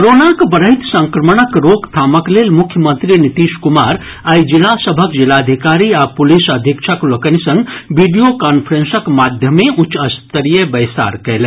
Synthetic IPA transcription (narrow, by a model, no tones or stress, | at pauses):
kɾoːnakbəɾəɦɪt̪sə̃ŋkɾəməɳəkɾoːkt̪ʰaːməkleːlmʊkʰjəmə̃nt̪ɾinɪt̪iːʃkʊmaːɾ | əjd͡ʒɪlasəbʱəkd͡ʒɪlaːd̪ʱikaːɾiapʊlisəd̪ʱikʃʰəklokənisɐ̃ŋɡʋiɖijokaːnpʰəɾẽnsəkmaːd̪ʱjəmẽʔʊt͡ʃːɐst̪əɾijəbɐjsa̰ːɾkɛl